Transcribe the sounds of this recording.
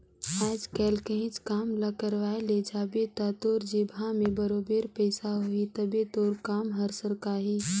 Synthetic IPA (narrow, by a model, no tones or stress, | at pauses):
aːd͡ʒkɛːlkə̃ɦɪ̃t͡ʃkaːmlɐkəɾʋaːeled͡ʒaːbet̪at̪oːɾd͡ʒebʱãmẽbəɾoːbeːɾpəɪsaɦoit̪əbet̪oːɾkaːmɦɐɾsəɾkaːɦiː